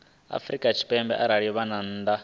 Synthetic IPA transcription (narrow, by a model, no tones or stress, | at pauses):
a̰frikʼat͡ʃʰi̥pʼɛmbɛ̰ʔaɾaɺijɔβanan̩ːd̪a